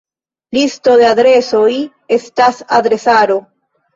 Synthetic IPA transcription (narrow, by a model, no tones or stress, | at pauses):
listo̞de̞adɾe̞so̞j | e̞stasadɾe̞saɾo̞